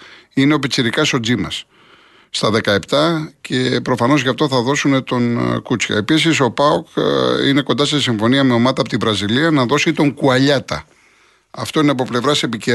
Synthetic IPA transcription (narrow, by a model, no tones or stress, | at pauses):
ineo̞pet͡siɾikɐso̞d͡zimɐsː | t̪ɐðe̞kɐe̞pt̪ɐcʰe̞pɾo̞fɐno̞zʝɐft̪o̞θɐðo̞sune̞t̪o̞nkut͡sçɐ̰e̞pisiso̞pɐokḭne̞kond̪ɐsesiɱfo̞niɐme̞o̞mɐt̪ɐpot̪ivɾɐziliɐnɐðo̞sit̪o̞ŋkuɐʎɐt̪ɐ | ɐft̪o̞ineɐp̬o̞ple̞vɾɐse̞pice